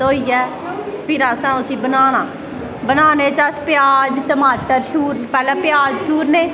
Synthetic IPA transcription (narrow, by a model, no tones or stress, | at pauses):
oːiːɛː | pʰɪɾəsãːʊsĩːbənaːnãː | bənaːneːt͡ʃaːspɪjaːd͡ʒt̪əmaːʈ̪əɾʃuːɾpɛːlẽːpɪjaːd͡ʒʃuːɾneː